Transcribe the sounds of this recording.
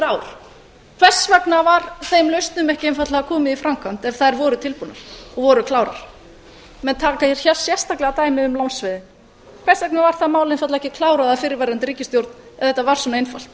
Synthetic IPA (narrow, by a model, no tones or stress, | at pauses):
ɾaːwɾ̥ | kʰv̥ɛr̥svɛknavaɾθejmlœɥst̪nʏmɛhcɪejnfat̪laakʰɔːmɪðifɾamkʰan̥t̪ɛfθaðɛɾvɔːɾʏt̪ʰɪlpunːaɾ̥ɔɣvɔɾʏkʰlaːwɾa̰ɾ̥ | mɛnt̪ʰaːkaɛɾ̥çɛ̥sjɛst̪aklɛɣat̪aːjmɪʏmlawnsvɪðɪ | kʰv̥ɛr̥svɛknavaɾ̥θamaːwlɪnfat̪laɛhcɪkʰlaːwɾaðafɪːɾɪɾvajɾant̪ɪɾiːcɪst̪jowɾt̪nɛvðθɛht̪ːavaɾ̥svɔnaejnfal̥t̪